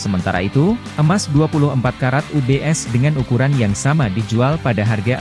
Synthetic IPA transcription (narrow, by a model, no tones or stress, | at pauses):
səmənt̪a̰ɾa̰it̪uʔəmasduapulʊhəmpat̪̚kaɾat̪̚ubeʔɛsdəŋanukuɾanjaŋsamadid͡ʒualpadaɦarɡa